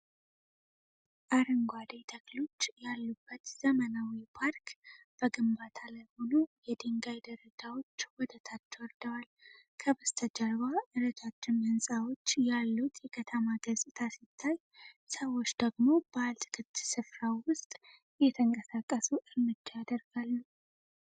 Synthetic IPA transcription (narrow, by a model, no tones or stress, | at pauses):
ʔaɾəŋɡʷad̪ejt̪ʰəklo̞t͡ʃːjalːubːət̪z̥əmənawipʰaɾkʰb̥əɡɨmbat̪ʰalajho̞nujɛd̪eŋɡajd̪əɾəd͡ʒawo̞t͡ʃːwɔd̪ət̪ʰat͡ʃːɛwɔɾd̪əwal | kʰəβəst̪ʰəd͡ʒəɾβaʔɨɾət̪ʰat͡ʃːɪnhɨnsʼawo̞t͡ʃːjalːut̪jɛkʰət̪ʰəmaɡəsʼɪt̪ʰasit̪ʰːaj | səwo̞t͡ʃːd̪̥əɡmo̞b̥əalt̪ʰɨ̥kʰɨt̪sɨfɾawwʊst̪ʼ | jɛt̪ʰəŋkʼəsakʼːəsuʔɨɾmɨd͡ʒːajad̪əɾɡalːu